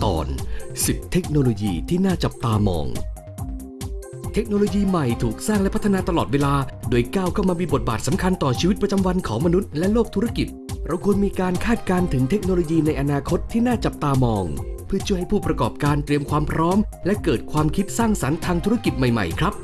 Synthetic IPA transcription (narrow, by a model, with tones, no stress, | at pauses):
t̪ɔ̰ː˨˩nsi˨˩p̚t̪ʰe˦˥k̚noː˧loː˧jiː˧t̪ʰiː˥˩naː˥˩t͡ɕa˨˩p̚t̪aː˧mɔ̰ː˧ŋ | t̪ʰe˦˥k̚noː˧loː˧jiː˧ma˨˩jt̪ʰuː˨˩k̚saː˥˩ŋlɛ˦˥pʰt̪ʰːa˧naː˧t̪a˧lɔː˨˩t̪̚weː˧laː˧doː˧jkaː˥˩wkʰa˥˩wmaː˧miː˧bo˨˩t̪̚baː˨˩t̪̚sa˩˦mkʰa˧nt̪ɔː˨˩t͡ɕʰiː˧wt̪̚pɾa˧t͡ɕa˧mwa˧nkʰɔː˩˦ŋma˧nu˦˥t̪̚lɛ˦˥loː˥˩k̚t̪ʰu˦˥ɾa˧ki˨˩t̪̚ɾa˧wkʰu˧ənmiː˧kaː˧nkʰaː˥˩t̪̚kaː˧nt̪ʰɯ˩˦ŋt̪ʰe˦˥k̚noː˧loː˧jiː˧na˧jʔa˧naː˧kʰo˦˥t̪ʰːiː˥˩naː˥˩t͡ɕa˨˩p̚t̪aː˧mɔː˧ŋpʰɯ˥˩t͡ɕʰu˥˩ha˥˩jpʰuː˥˩pɾa˧kɔː˨˩p̚kaː˧nt̪ɾi˧əmkʰwaː˧mpʰɾɔː˦˥mlɛ˦˥kɤː˨˩t̪̚kʰwaː˧mkʰi˦˥t̪̚saː˥˩ŋsa˩˦nt̪ʰaː˧ŋt̪ʰu˦˥ɾa˧ki˨˩t̪̚ma˨˩jma̰˨˩jkʰɾa˦˥p̚